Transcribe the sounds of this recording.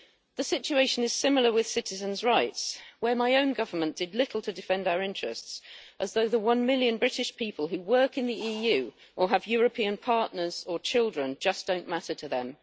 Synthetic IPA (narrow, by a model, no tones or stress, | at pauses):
ðəsɪt͡ʃʉeɪʃə̃nɪz̥sɪ̃ml̩ˠə˞wɪð̥sɪtɪzə̃nzɹaɪtswə˞maɪə̃ʊ̃nɡʌvə˞mə̃nd̥ɨdˡlɪtʰl̩ˠtʰɨdɪfɛ̃ndaʊəɹɪ̃nt͡ʃɹ̥ə̰stsʔəzðoʊðəwʌ̃nmɪlˠjə̃nbɹɪɾɪʃpʰipəlˠɦʉwɜˑ˞kɨ̃nðiiːjʉː | ʔəəvjɔːɹəpʰĩə̃npʰɑɹʔⁿnə˞z̥ət͡ʃʰɪlˠdɹə̃nd͡ʒʌsd̥õʊ̃nmaɾətʰəðə̃m